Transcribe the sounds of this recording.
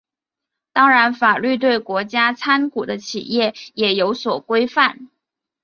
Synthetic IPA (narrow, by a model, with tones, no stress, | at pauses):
t̪ɑ˥ŋɻa˧˥nfa˨˩ly˥˧t̪we˥˩ɪkwɔ˧˥t͡ɕja˥t͡sʰa˥nku˨˩d̪ə˦t͡ɕʰḭ˨˩jɛ˥˩jɛ˨˩jo˧˥ʊswɔ˨˩kwe˥ɪfa˥˩n